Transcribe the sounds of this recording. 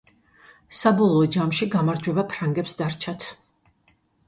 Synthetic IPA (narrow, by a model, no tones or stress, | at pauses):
sabɔlˠɔɔd͡ʒamʃiɡamaɾd͡ʒwɛbapʰɾaŋɡɛpsd̪aɾt͡ʃʰat̪ʰ